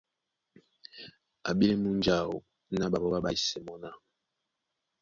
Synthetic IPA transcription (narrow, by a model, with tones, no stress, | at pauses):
a̰˨ɓi˦lɛ˦mu˦nd͡ʒa˨o̰˨˦ | na˦ɓa˨bɔ˦ɓa˦ɓa˦i˨sɛ˨mɔ˦na˦˨